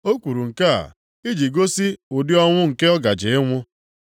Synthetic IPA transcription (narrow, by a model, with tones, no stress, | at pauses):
o˦kʷu˨ɾu˨ŋ̩˨ka˦a̰˨ | i˦d͡ʒi˨ɡo˦si˦ʊ˨dɪ˦ɔ˦ŋʷʊ˦ŋ̩˨ke˦ɔ˦ɡa˨d͡ʒe˨e˦ŋʷʊ˦